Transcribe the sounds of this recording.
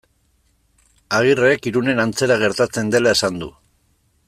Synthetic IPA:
aɣ̞irekiɾune̞nant͡se̞ɾaɣ̞e̞ɾt̪at͡se̞nd̪e̞lae̞sand̪ṵ

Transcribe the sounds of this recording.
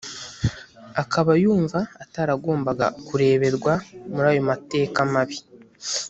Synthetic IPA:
akaβajuːɱvaːtaɾaɡo̞ːmbaɡa̰kuɾe̞ːβe̞ɾɡwamuɾaːjo̞mate̞ːkamaβi

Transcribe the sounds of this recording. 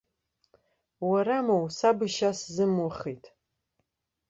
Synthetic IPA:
waɾamowsabɨʃaszɨmwʊχijtʼ

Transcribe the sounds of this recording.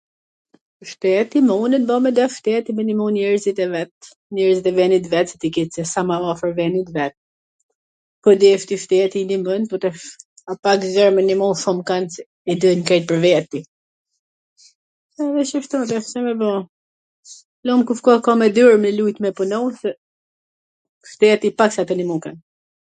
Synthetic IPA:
ʃt̪ɛt̪imɔnənbɔmɛd̪ɛft̪ɛt̪imɛnimɔnɛɾzit̪ɛvɛt̪ | ɲɛɾzit̪ɛvɛnit̪̬vɛt̪sɛt̪ikit͡sɛsamaɔfəɾvɛnit̪vɛt̪̚ | pɔd̪ɛft̪ift̪ɛt̪inimənpɔɾt̪ɛ | apakzɛɾmənimɔʃumkans | ɛd̪əjnkɛt̪̚pəɾvɛt̪ːi | ɛðɛʃəʃt̪ɔt̪ɛfsɛmɛbɔ | lɔmkufkɔkɔmɛd̪yɾmnəlujt̪mɛpunɔwsɛ | ft̪ɛt̪ipaksat̪ənimukan

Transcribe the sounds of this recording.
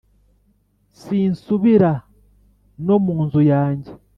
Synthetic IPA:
siːnsuβiɾa | no̞muːnzujaːɲɟe

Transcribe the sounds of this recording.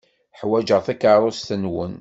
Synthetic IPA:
ħwæd͡ʒəʁθikaɾˤʊst̪ənwən

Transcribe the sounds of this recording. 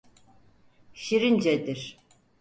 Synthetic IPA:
ʃiɾind͡ʒɛd̪iɾ̥

